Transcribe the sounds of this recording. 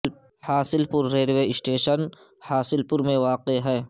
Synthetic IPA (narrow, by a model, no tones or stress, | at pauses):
haːsɪlpʊɾːeːɾʋeɪsʈeːʃən | haːsɪlpʊɾmẽʋaːqeɦɛː